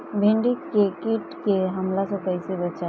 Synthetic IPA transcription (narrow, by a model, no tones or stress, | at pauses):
bʱɪ̃ɳɖikːekiʈkeɦɐmlasõkəjsibət͡ʃa